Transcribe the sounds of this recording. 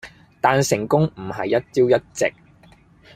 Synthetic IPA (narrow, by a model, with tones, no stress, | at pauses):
t̪aː˨nsɪ˨˩ŋkʊ˥ŋm̩˨˩ɦɐ̰˨jːɐ˥t̚t͡siː˥wjɐ˥t̚t͡sɪ̰˨k̚